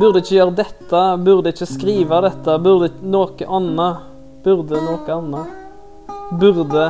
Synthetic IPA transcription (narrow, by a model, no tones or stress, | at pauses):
bʉʁd̪əɪçːəjøːɾəd̪ɛt̪ʰːəbʉʁd̪əɪçːəskɾiːʋɑd̪ɛt̪ːəbʉʁd̪ənoːkəʔɑnːə | b̥ʉʁd̪ənoːkəɑnːə | bʉʁd̪ə